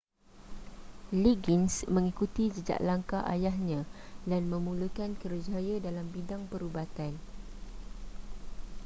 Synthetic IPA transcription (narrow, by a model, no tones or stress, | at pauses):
liɡinsmə̃ŋikut̪id͡ʒəd͡ʒa̰ʔlaŋkaʔa̰jahɲãdanmə̃mulukankərud͡ʒajadalambidaŋpəɾubat̪an